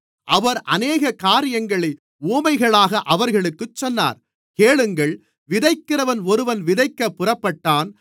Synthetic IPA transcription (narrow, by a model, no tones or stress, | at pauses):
ʔɐʋɐɾʔɐneːɣɐkaːɾɪjɐŋɡɐɭɐɪ | uːmɐɪɣɐɭaːɣɐʔɐʋɐɾɣɐɭɯkːɯt͡ʃːɔnːa̰ːɾ | keːɭɯŋɡɐɭ | ʋɪðɐɪkːɪrɐʋɐnɔɾɯʋɐnʋɪðɐɪkːɐpːɯrɐpːɐʈːaːn